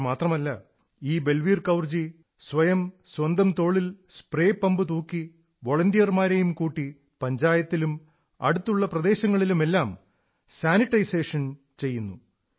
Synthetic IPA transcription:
maːt̪rɐmɐlːɐ | iːbe̞lʋiːrkɐwrd͡ʑi | sʋɐjɐmswɐnd̪ɐmt̪o̞ːɭilspre̞ːpːɐmbɨt̪uːkːi | ʋo̞ɭɐndijɐrmaːɾejumkuːʈːi | pɐɲd͡ʑaːjɐt̪ːilum | ɐ̰ɽut̪ːuɭːɐprɐd̪e̞ːɕɐŋːɐɭilume̞lːaːm | saːniʈːɐjse̞ːʂɐn | t͡ɕe̞jːunːu

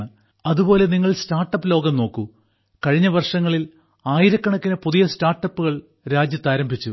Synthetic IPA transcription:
ɳɨ | ɐðubo̞ːle̞niŋːɐɭstaːrʈːɐpːɨlo̞ːɡɐmno̞ːkːu | kɐɻiɲːɐʋɐrʂɐŋːɐɭil | aːjiɾɐkːɐɳɐkːinɐpuðijɐstaːrʈːɐpːuɣɐɭ | ɾaːd͡ʑjɐt̪ːaːɾɐmbʱit͡ɕːu

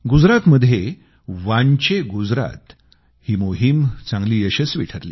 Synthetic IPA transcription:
ɡud͡zɾat̪məd̪ʱːje | ʋaɳt͡ɕeɡud͡zɾa̰t̪ | hiːmoɦimt͡sãŋɡliːəɕət͡sʋḭʈʰəɾliː

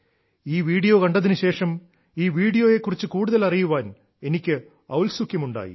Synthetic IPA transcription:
iːʋiːɽijo̞ːkɐɳɖɐðinɨɕe̞ːʂɐm | iːʋiːɽijo̞ːje̞kːurit͡ɕːɨkuːɽuðɐlɐrijuʋaːn | e̞nikʲːɨ | ɐwlsukʲːjɐmuɳɖa̰ːjḭ

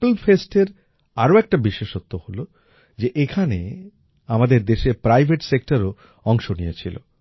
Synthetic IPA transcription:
plfesʈeɾ | aɾoɛk̚ʈabiʃeʃot̪ːoholo | d͡ʑeʔekʰanḛ | amad̪eɾd̪eʃepɾajbʱeʈsek̚ʈaɾo | ɔŋʃonijet͡ɕʰilo̰

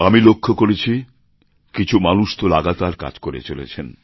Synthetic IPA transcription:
amilokʰːokoɾet͡ɕʰi | kit͡ɕʰumanuʃt̪olaɡat̪aɾka̰d͡ʑkoɾḛt͡ɕolḛt͡ɕʰen

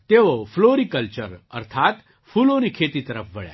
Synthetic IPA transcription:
t̪eʋofloɾikəlt͡ɕəɾə̰ɾt̪ʰat̪ | fulonikʰet̪it̪əɾəfʋəɭja̰

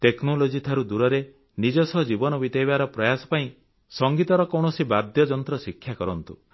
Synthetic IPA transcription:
t̪eknolod͡ʒit̪ʰaɾud̪uɾɔɾe | nid͡ʒɔsɔɦd͡ʒibɔnɔbit̪ejbaɾɔpɾɔjasɔ̥paĩ | sɔŋɡit̪ɔɾɔkɔwɳ̃ɔsibad̪jɔd͡ʒɔnt̪ɾɔsikʰːjakɔɾɔnt̪u

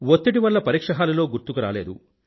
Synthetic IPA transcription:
wot̪ːiʈiʋɐlːɐpɐɾiːkʂɐɦaːlɐlo̞ːɡuɾt̪ukuɾa̰ːleːd̪u

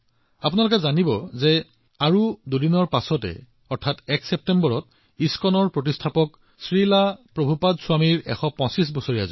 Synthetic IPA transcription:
apunalʊkɛzanibɔzɛ | aɹududinɔɹpasɔtɛ̰ | ɔɹtʰatɛksɛp̚tɛmbɔɹɔt̚ | iskɔnɔɹpɹot̬istʰapɔk | sɹilapɹobʱupadsʊwamiɹɛ̰xɔpɔ̃sis̬bɔsoɹiaza̰

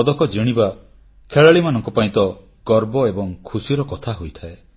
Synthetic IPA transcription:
d̪ɔkɔd͡ʒiɽ̃iba | kʰeɭaɭimanɔŋkɔpaĩt̪ɔ | ɡ̥ɔɾbɔebɔŋkʰusiɾɔkɔt̪ʰaɦojt̪ʰae

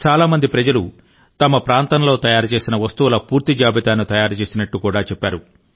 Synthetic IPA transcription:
t͡ʃaːlaːmɐnd̪ipɾɐd͡ʒɐlu | t̪ɐmɐpɾaːnt̪ɐnɐlo̞ːt̪ɐjaːɾut͡ʃe̞ːsinɐʋɐst̪uʋulɐpuːɾt̪id͡ʒaːbit̪aːnːut̪ɐjaːɾut͡ʃe̞ːsinɐʈːukuːɽaːt͡ʃɛpːaːɾu

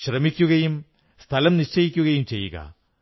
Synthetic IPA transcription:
ɕrɐmikʲːuɣɐjum | st̪ʰɐlɐmniʂt͡ɕɐjikʲːuɣɐjumt͡ɕe̞jːṵɣɐ̰

